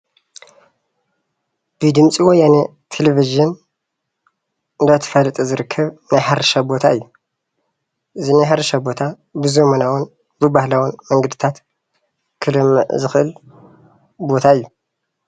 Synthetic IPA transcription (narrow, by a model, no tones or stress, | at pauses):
b̥ɨd̪ɨmt͡sʼiwɔjːane | t̪ʰeleviʒɨn | ɨnd̪at̪ʰɨ̥fɐlɨt̪ʼɐzɨɾɨkʰːɐβnajħaɾɨʃabo̞t̪ʰa̰ʔɨjːu | ʔɨzinajħaɾɐʃabo̞t̪ʰa | bɨzomɐnawun | bɨbahlawunmɐŋɡɐd̪ɨt̪ʰat̪ | kʰɨlɨmːɨ̰ʕzɨxɨʔɨl | bo̞t̪ʰaɨjːu